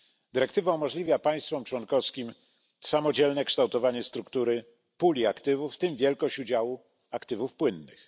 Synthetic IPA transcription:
d̪ɘɾɛkt̪ɘvaumɔʐlʲivʲjapaj̃st̪fɔmt͡ʂwɔnkɔfskʲim | samɔd͡ʑɛlnɛkʂt̪awt̪ɔvaɲɛst̪ɾukt̪uɾɘ | pulʲiakt̪ɘvufːt̪ɘmvʲjɛlkɔɕt͡ɕud͡ʑawu | akt̪ɘvufpwɘnːɘ̰x

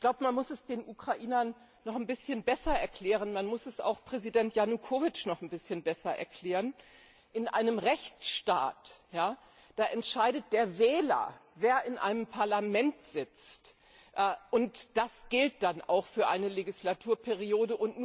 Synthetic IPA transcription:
çɡ̥laʊbəmanmʊsɛsd̥eːnʔukʁ̥aʔiːnɐnː | ɔχnbɪsçənbɛsɐɛɐkl̥ɛːʁənmanmʊsɛsa̰ʊxpʁ̥ɛzidɛntjanukʰoːvɪt͡ʃnɔχn̩bɪsçənbɛsɐʔɛ̰ɐkl̥ɛːʁən | ʔɪnʔa̰ɪnəmʁɛçt͡sʃta̰ːtjaː | d̥aːʔɛntʃaɪdət̚d̥eːɐvɛːlɐ̰veːɐʔɪnʔa̰ɪnəmpʰaɐlamɛntz̥ɪt͡st | ʔʔʊntd̥asɡ̥ɪlt̚d̥anʔa̰ʊxfyːɐʔaɪnəleɡislatʰuːɐpʰɛʁ̞ioːdəʔʊntnuː

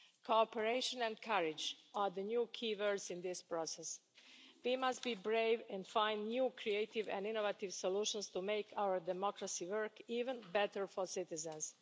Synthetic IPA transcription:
kʰoɔpəɹeɪʃə̃nɛ̃nkʰaɹɪd͡ʒaðənjukʰiːvɜ˞sɪ̃nðɪspɹɔsɛs | wimast̚b̥ibɹeɪvɛ̃nfãɪ̃ndnjuːkʰɹieɪtɪvɛ̰̃ndɪ̃novatɪvsɔluʃə̃nst̪umeɪkʰawə˞dɛmɔkɹasiwɜ˞kiːvə̃nbɛtə˞fɔsɪtɪzə̃nz̥

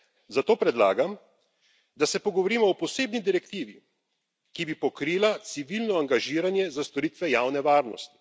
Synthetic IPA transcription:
zat̪oːpɾɛd̪laːɡam | d̪asɛpɔɡɔʋɔɾiːmɔɔpɔseːbnid̪iɾɛkt̪iːʋi | kibipɔkɾiːlat̪siʋilnɔaŋɡaʒiːɾanjɛzast̪ɔɾiːt̪ʋɛjaːwnɛʋaːɾnɔ̰st̪i̥

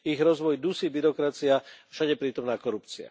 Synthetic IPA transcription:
iɣɾɔzʋɔjd̪usibiɾɔkɾat͡siafʃaɟɛpɾiːt̪ɔmnaːkɔɾupt͡sia̰

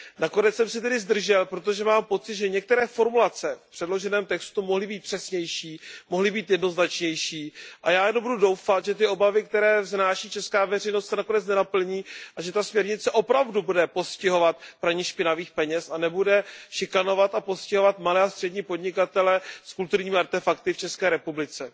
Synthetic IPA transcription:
nako̞nɛt͡ssɛmsɛt̪ɛdɪzd̪r̩ʒɛlpɾot̪̬oʒɛmaːmpot͡sɪt̪ʒɛɲɛk̚t̪ɛɾɛːfo̞ɾmulat͡sɛfpr̥ɛdlo̞ʒɛnɛːmt̪ɛkst̪umoɦlɪbiːt̪̚pr̥ɛsɲɛjʃiːmoɦlɪbiːt̪jɛdno̞znat͡ʃɲɛjʃiːʔajaːjɛnombududo̞wfat̪ʒɛt̪̬ɪo̞bavɪk̚t̪ɛɾɛːvznaːʃiːt͡ʃɛskaːvɛrɛjno̞st̪sɛnako̞nɛt͡snɛnapl̩ɲiːʔaʒɛt̪asmɲɛɾɲɪt͡sɛʔo̞pɾavdubudɛpo̞scɪɦo̞vat̪̚pɾaɲiʃpɪnaviːxpɛɲɛsanɛbudɛʃɪkano̞vat̪apo̞scɪɦovat̪malɛːast̪r̥ɛdɲiːpo̞dɲɪkat̪ɛlɛskult̪uɾɲiːmɪaɾt̪ɛfakt̪ɪft͡ʃɛskɛːɾɛpublɪt͡sɛ

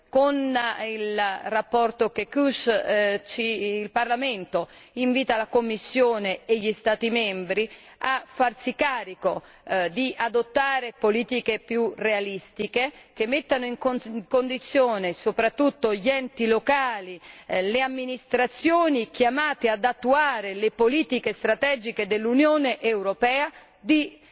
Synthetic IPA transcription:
konilrapːɔrt̪okekuʃt͡ʃiːlparlament̪o | iɱviːt̪alakomːisːjoːneeʎːist̪aːt̪imɛmbɾi | afːarsikaːɾiko | d̪iad̪ot̪ːaːɾepoliːt̪ikepjurealist̪ikek̟emːet̪ːanoiŋkkond̪it̪sːjoːnesopɾat̪ːut̪ːoʎiɛnt̪ilokaːlileamːinist̪ɾat̪sjoːnik̟jamaːt̪ead̪at̪ːuaːɾelepoliːt̪ikest̪ɾat̪ɛːd͡ʒiked̪elːunjoːneʔewɾopɛːa | d̪i

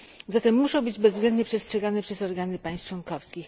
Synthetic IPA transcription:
zat̪ɛmːuʂɔ̃w̃bɘd͡ʑbɛzvɡlɛnd̪ɲɛpʂɛstʂɛɡanɛpʂɛsɔɾɡanɘpaj̃st͡ʂwɔnkɔfskʲix

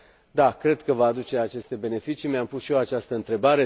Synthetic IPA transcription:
d̪akɾe̞d̪kəvaːd̪ut͡ʃe̞at͡ʃe̞st̪e̞be̞ne̞fit͡ʃimeampusʃijoat͡ʃast̪əɨnt̪ɾe̞baɾe̞

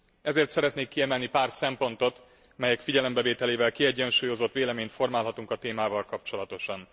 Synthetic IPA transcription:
ɛzeːrt̪sɛɾɛt̪neːkːiɛmɛlnipaːrsɛmpo̞nt̪o̞t̪ | mɛjɛkfiɟɛlɛmbɛveːt̪ɛleːvɛlkiɛɟːɛnʃuːjo̞zo̞t̪ːʋeːlɛmeːɲt̪fo̞rmaːlɦɒt̪uŋkɒt̪eːmaːvɒlkɒpt͡ʃo̞lɒt̪o̞ʃɒn

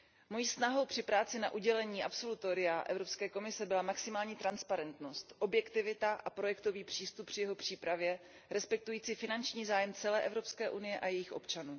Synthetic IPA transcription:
mo̞jiːsnaɦo̞wpr̥ɪpɾaːt͡sɪnaʔuɟɛlɛɲiːʔa̰pso̞lut̪oɾɪaʔɛ̰vɾo̞pskɛːko̞mɪsɛbɪlamaksɪmaːlɲiːt̪ɾanspaɾɛnt̪no̞st̪ʔo̞bjɛkt̪ɪvɪt̪aʔapɾo̞jɛkt̪o̞viːpr̥iːst̪up̚pːr̥ɪjɛɦo̞pr̝̥iːpɾavjɛ | ɾɛspɛk̚t̪ujiːt͡siːfɪnant͡ʃɲiːzaːjɛmt͡sɛlɛːʔɛvɾo̞pskɛːʔunɪjɛʔajɛjɪxʔo̞pt͡ʃanuː

